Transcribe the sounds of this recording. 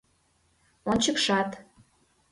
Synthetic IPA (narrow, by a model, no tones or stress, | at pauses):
ont͡ɕəkʃɑt̪